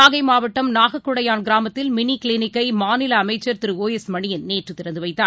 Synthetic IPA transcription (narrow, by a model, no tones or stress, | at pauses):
aːɣɐɪmaːʋɐʈːɐmnaːɣɐkːʊɽɐjaːnɡɪɾaːmɐt̪ːɪlmɪnikɪlɪnɪkːɐɪmaːnɪlɐːmɐɪt͡ʃːɐɾt̪ɪɾɯoːjɐsmɐɳɪjɪnneːʈrɯt̪ɪɾɐnd̪ɯʋɐɪt̪ːaː